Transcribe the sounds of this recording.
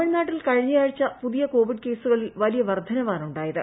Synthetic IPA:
ɐɳnaːʈːilkɐɻiɲːijaːɻit͡ɕːɐpuðijɐko̞ːʋiɖke̞ːsuɣɐɭilʋɐlijɐʋɐrd̪ʱɐnɐʋaːnuɳɖaːjɐðɨ

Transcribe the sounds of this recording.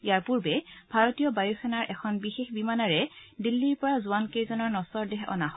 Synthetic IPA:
ijaɹpuɹbɛb̥ʱaɹɔtijɔbajusʰɛnaɹʔɛkʰɔnbixexbimanaɹɛdilːiɹpɔɹazuwankejzɔnɔɹnɔsɔɹdɛɦɔ̰naɦɔ

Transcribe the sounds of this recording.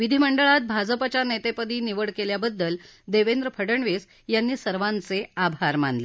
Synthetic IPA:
ʋid̪ʱiməɳɖəɭat̪̚bʱad͡zəpat͡ɕanet̪epəd̪iːniʋəɽkeljabəd̪ːəld̪eʋend̪ɾəpʰəɽəɳʋes | janːiːsəɾʋant͡seabʱaɾma̰nd̪le

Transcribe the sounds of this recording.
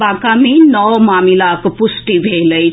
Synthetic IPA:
akaminəwmamilakopusʈibʱeləj

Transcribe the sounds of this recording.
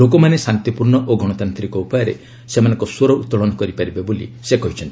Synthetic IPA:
lokɔmanesant̪ipuɾɳɔʔoɡʱɔɽ̃ɔt̪ant̪ɾikɔupɔjɔɾḛ | semanɔ̃ŋkɔsoɾɔut̪ːɔɭɔnɔkɔɾipaɾibebolḭsekɔɦit͡ʃʰɔnt̪i

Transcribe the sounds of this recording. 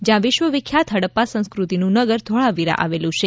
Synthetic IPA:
d͡ʒjãʋɪʃʋəʋikʰːjat̪ʰɦəɽəpːasə̃ñskɾut̪inũnəɡəɾd̪ʱoɭaʋiɾã̰ʔa̰ʋelũt͡ʃʰe

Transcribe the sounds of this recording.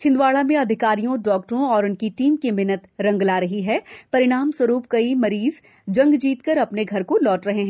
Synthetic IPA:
t͡ʃʰɪ̃nd̪waːɭamẽɐd̪ʱɪkaːɾijõɖɔːk̚ʈɾõɔːɾʊnkiʈiːmkemɪnət̪ɾɐ̃ŋɡlaːɾɐɦiɦɛpɐɾɪɽ̃aːmswɐɾuːp̚kɐimɐɾiːz | d͡ʒɐ̃ŋɡd͡ʒiːt̪kəɾɐpneɡʱɐɾkolɔːʈɾɐɦeɦɛ̃ː

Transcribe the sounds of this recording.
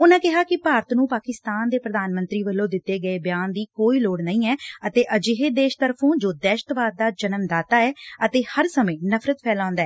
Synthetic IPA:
ʊnãːkɪɦaːkɪpaːɾət̪nũːpaːkɪst̪aːnd̪eːpɾəd̪aːnmə̃nt̪ɾiːʋəlːõːd̪ɪt̪ːeːɡəeːbjaːnd̪iːkoːiːloːɽnəĩːɛːət̪eːʔəd͡ʒɪɦeːd̪eːʃt̪əɾpʰõːd͡ʒoːd̪ɛːʃət̪ʋaːd̪̚ːaːd͡ʒənəmd̪aːt̪aːɛːət̪eːhəɾsəmẽːnəpʰɾət̪pʰɛːlãːnd̪aːɛː

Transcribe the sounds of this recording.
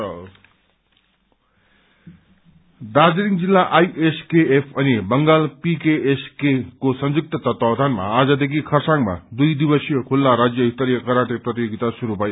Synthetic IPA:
d̪ad͡ziɾiŋd͡zilːaʔajʔeskeepʰʌnibʌŋɡalpikeeskekosʌnd͡zuk̚t̪ʌt̪ʌt̪ʌwd̪ʱanma̰ːd͡zʌd̪ekʰikʰʌrsaŋma̰d̪ujd̪ibʌsijʌkʰulːaɾad͡zjʌit̪ːʌɾijʌkʌɾaʈ̪eprʌt̪ijoɡit̪asuɾubʱʌj

